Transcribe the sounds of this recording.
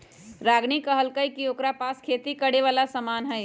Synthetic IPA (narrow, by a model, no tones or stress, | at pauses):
ɾaɡnikəɦəlkəjkiokɾapaskʰet̪ikəɽeʋalasəmanɦəj